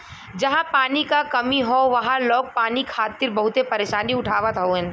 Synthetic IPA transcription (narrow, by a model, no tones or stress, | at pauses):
d͡ʒɐɦãpaːnikakɐmiɦoʋɐɦãlɔːk̚paːnikʰaːt̪ɪɾbɐɦʊt̪epɐɾeːʃaːniʊʈʰaːʋət̪ɦoɛ̃